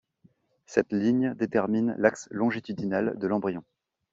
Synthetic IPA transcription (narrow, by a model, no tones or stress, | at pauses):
sɛt̪liɲd̪et̪ɛʁminlakslɔ̃ʒit̪yd̪inald̪əlɑ̃bʁijɔ̃